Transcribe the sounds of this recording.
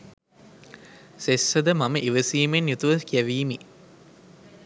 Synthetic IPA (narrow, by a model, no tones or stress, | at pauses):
sesːəd̪əmɐməʔiʋəsiːmenjut̪uʋɐkiæʋiːmi